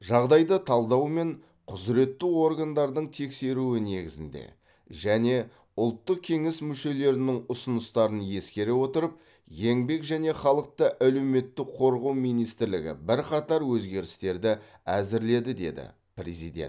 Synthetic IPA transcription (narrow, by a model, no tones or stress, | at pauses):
ʒɑʁd̪ɑjd̪ət̪ʰɑlˠd̪ɑwme̞ɴ | qʰʊzɾe̞t̪ːuo̞ɾɡand̪ɑɾd̪əɴt̪ʰe̞kse̞ɾuɪne̞ɡʲɪzɪnd̪ḛ | ʒæne̞ | ʊlˠt̪ːəq̚kʲʰe̞ŋɪsmʏʃe̞le̞ɾɪnɪŋʊsʊnəst̪ɑɾənje̞skʲe̞ɾewo̞t̪əɾəp̚ | je̞ŋbe̞kʒæne̞χɑlˠəq̚t̪əʔæle̞wme̞t̪ːɪqʰo̞ɾʁɑwmijnijst̪ɪɾlɪɡʲɪ̰bɪɾqɑt̪ɑɾwɵzɡʲe̞ɾɪst̪e̞ɾd̪ɪæzɪɾle̞d̪ɪd̪e̞̰d̪ɪ̰ | pɾezḭd̪ʲḛnt̪